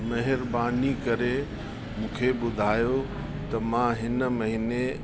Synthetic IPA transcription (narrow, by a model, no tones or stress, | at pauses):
mɐɦɪɾbaːnikɐɾe | mũːkʰeɓʊd̪ʱaːjo | t̪ɐmãɦɪnmɐɦine